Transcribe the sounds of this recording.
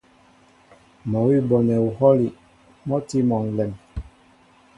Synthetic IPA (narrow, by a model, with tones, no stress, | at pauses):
mɔ˨wi˦bɔ˨nɛ˨u˨hɔ˦li˨ | mɔ˦ti˦mɔ˨ŋ̩˨lɛ˨m